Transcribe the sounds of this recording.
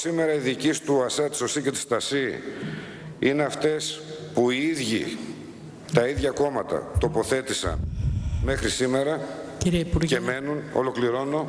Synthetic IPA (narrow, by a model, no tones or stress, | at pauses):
sime̞ɾɐiðicist̪uɐsɐt̪i̥so̞sicet̪i̥st̪ɐsi | ineɐft̪e̞spuiiðʝḭ | t̪ɐiðʝɐko̞mɐt̪ɐ̰t̪o̞po̞θe̞t̪isɐ̰nme̞xɾisime̞ɾɐciɾiepuɾeme̞nuno̞̰lo̞kliɾo̞no̞